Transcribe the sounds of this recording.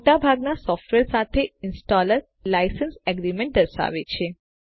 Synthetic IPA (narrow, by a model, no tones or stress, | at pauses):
ʈabʱaɡnasɔfʈʋeɾsat̪ʰeɪnsʈɔləɾ | laisənsɛɡɾimẽɳʈ̚d̪əɾʃa̰ʋet͡ʃʰe